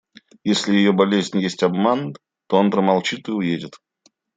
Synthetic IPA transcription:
jesʲlʲɪjɪjobɐlʲezʲnʲjesʲtʲɐbman | t̪oonpɾəmɐlˠt͡ɕit̪ɨʊjedʲɪt̪

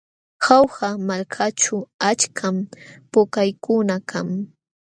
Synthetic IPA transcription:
xawɢamalkʰat͡ʃʊat͡ʃkʰampʊkajkʊnakʰaŋ

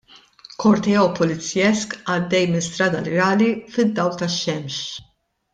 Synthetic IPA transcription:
kʰɔɾt̪ɛɔːpɔlɪt͡sːjɛskɐd̪ːɛjmɪnst̪ɾɐːd̪ɐlɪɾɐːlifɪd̪ːɐwlt̪ɐʃːɛmʃ

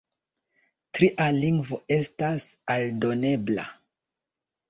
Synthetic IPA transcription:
tɾiʔaliŋɡvo̞e̞stasaldo̞ne̞bla̰

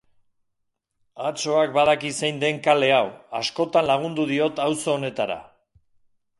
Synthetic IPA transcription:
at͡so̞ak̚bað̞akisejnd̪e̞ŋkale̞awasko̞t̪anlaɣ̞und̪uðio̞t̪awso̞ːne̞t̪aɾa̰

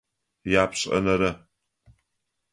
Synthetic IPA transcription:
jaːpʰɕʼɐ̰nɐɾɨ

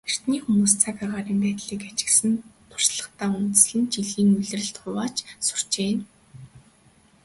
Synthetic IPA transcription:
er̥t̪niːxumuːst͡sʰakaːʁaːɾiːmpæːt̪ɮiːkat͡ɕɪ̆ksɘ̆nt̪ʰʊ̥r̥sɮə̆χt̪aːunt̪ɘ̆sɮɘ̆nt͡ɕiɮiːŋmiɮ̆rɘ̆ɬt̪χʊwaːt͡ɕsʊ̥r̥t͡ɕeːn

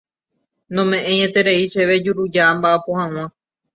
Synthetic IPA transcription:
nõmẽ̞ʔẽ̞ɲẽt̪e̞ɾe̞it͡ʃe̞ʋe̞d͡ʒuɾud͡ʒambaʔapohãw̃ã

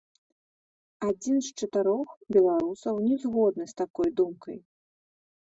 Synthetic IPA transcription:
ad͡zʲinst͡ʂɨt̪ɨɾɔxbʲɛlˠaɾusɐwnʲɛzɣɔd̪̚nɨst̪akɔjd̪umkɐj

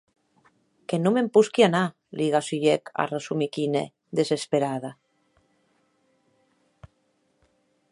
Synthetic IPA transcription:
kenumempuskiana | liɣasyʎeka̰resumikinḛ | d̪esespeɾaða

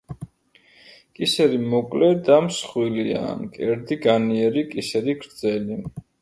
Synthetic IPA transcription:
kʼisɛɾimɔkʼlɛd̪amsχwilia̰kʼɛɾd̪iɡaniɛɾikʼisɛɾiɡɾd̪zɛli

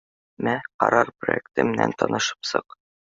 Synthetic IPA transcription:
mæqɒ̰ɾɑɾprojek̚t̪ɘmɘ̆næ̰nt̪ɒnɤ̆ʃɤ̥psɤ̰q

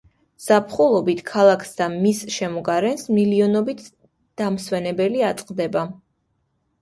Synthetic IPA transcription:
z̥apʰχulˠɔbit̪ʰkʰalˠakʰsd̪amisʃɛmɔɡaɾɛnsmiliɔnɔbit̪ʰ | d̪̥amswɛnɛbɛliat̪sʼqʼd̪ɛba

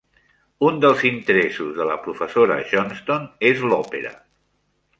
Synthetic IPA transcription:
und̪əlˠzint̪əɾɛsuzðələpɾufəsoɾə̰ʒɔnst̪onezlɔpəɾə̰

